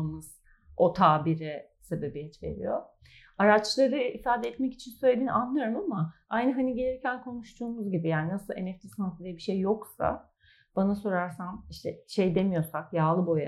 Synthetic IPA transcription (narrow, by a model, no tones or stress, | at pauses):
mɯz̥ | ʔot̪ʰaːbiɾɛ | se̞be̞biɦit͡ʃve̞̰ɾḭjo̰ | aɾat͡ʃlˠaɾɯifaːd̪ɛɛt̪mɛci̥t͡ʃʰinsø̞jlʲed̪inanlˠaɾɯmama | ajnɯɦaniɟe̞lʲiɾcʰænkʰo̞nuʃt̪ʰuːmuzɟibijaːninasɯlˠe̞̰nɛft̪ʰisnansɯd̪ijbiʃejːo̞ksa̰ | b̥anaso̞ɾaɾsamiʃt̪ʰɛʃe̞jd̪e̞mijo̞sakjaːlˠɯbo̞ja̰